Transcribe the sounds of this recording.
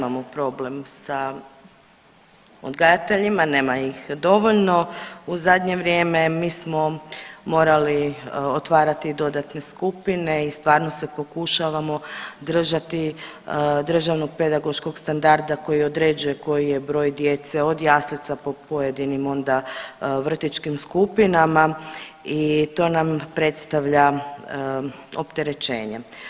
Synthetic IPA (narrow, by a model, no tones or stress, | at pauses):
amopɾo̞ble̞msa | o̰d̪ɡajat̪e̞ʎimaneːmaixd̪o̞ʋo̞ʎno̞uzad̪ɲe̞ʋɾje̞ːme̞miːsmo̞mo̞ːɾaliot̪ʋaːɾat̪id̪o̞d̪at̪ne̞skupine̞ist̪ʋaːɾno̞se̞po̞kuʃaʋamo̞d̪r̩ʒat̪i | d̪r̩ʒaʋno̞ɡ̚pe̞d̪aɡo̞ʃko̞ɡst̪and̪aɾd̪ako̞jio̞d̪ɾe̞ːd͡ʒuje̞ko̞jije̞bɾo̞ːjd̪je̞t̪se̞o̞d̪jaːslit̪sapo̞poje̞d̪inimo̞nd̪aʋr̩t̪it͡ʃkimskupinamait̪o̞ːnampɾe̞t̪st̪aʋʎa | o̞̰pt̪eɾe̞t͡ʃe̞̰ːɲe̞